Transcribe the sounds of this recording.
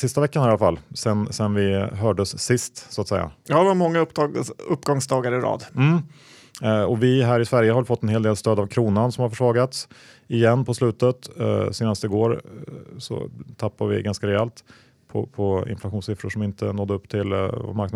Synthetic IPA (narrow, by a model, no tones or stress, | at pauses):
sɪst̪avɛkːanalafalːsɛnsɛnvɪɦœːɖəsːɪst̪sʊat̪sɛjːa̰jɑːɛvamɔŋːaɵpːɡɔŋsd̪ɑːɡaɾɪɾɑ̰ːd̪m̩ː | ɔvɪɦæːɾɪsvæɾjəhaɾvɛlfɔt̪ːɛnɦeːld̪eːlst̪øːd̪avkʰɾuːnansɔmhaɾfœʂvɑːɡat̪s | ɪjɛnːpʰɔslʉ̟ːt̪ət̪seːnast̪ɪɡoːɾsɔ̰t̪ʰapːavɪ̰ɡanskaɾɛɛːlt̪ | pʰɔ̰pʰɔɪ̰nflaɧuːnsɪfɾʊʂɔmɪnt̪ənɔd̪əɵpːt̪ʰɪlva̰maɾkn